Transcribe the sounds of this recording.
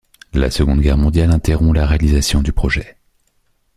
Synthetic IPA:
la̰səɡɔ̃d̪ɡʲɛʁmɔ̃d̪jalɛ̃t̪eʁɔ̃laʁealizasjɔ̃d̪ypχɔʒɛ

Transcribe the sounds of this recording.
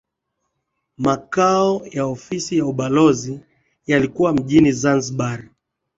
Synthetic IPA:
makaɔjaɔfisijauɓalɔzi | jalikuwam̩ʄinizanzɓaɾ

